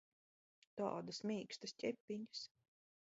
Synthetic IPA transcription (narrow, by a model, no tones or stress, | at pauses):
t̪ɑ̰ːd̪asmʲiːkst̪asʲcʲɛpʲːiɲs